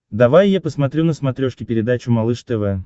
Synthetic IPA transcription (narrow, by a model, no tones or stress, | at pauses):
d̪ɐvajːapəsmɐt̪ɾʲunəsmɐt̪ɾʲoʂkʲɪpʲɪɾʲɪd̪at͡ɕʊmɐlˠɨʂt̪ɛvɛ